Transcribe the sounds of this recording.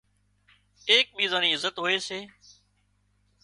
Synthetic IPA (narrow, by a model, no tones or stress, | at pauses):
eːk̚ɓiːzãːniːɪzət̪ɦoeːseː